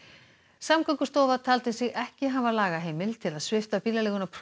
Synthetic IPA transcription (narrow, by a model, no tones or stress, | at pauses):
samkʰœŋkʏst̪ɔːvat̪ʰaːlt̪ɪsɪɣɛhcɪɦavalaːɣaɦeːjmɪlt̪ʰɪlaðsvɪft̪apiːlalɛːɣʏnapʰɾ